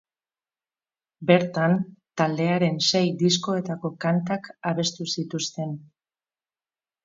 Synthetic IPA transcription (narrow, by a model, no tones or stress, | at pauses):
be̞ɾt̪ant̪ald̪e̞aɾe̞nse̞jd̪isko̞e̞t̪ako̞kant̪akaβe̞st̪usit̪ust̪e̞n